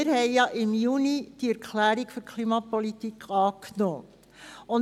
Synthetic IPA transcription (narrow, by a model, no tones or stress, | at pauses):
ɪɾhɛɪjɑʔɪmjunid̥iɛɾkʰχlæːɾiɡføɾkʰliːmɑpɔlit̪ikʰɑːknoː | ʊn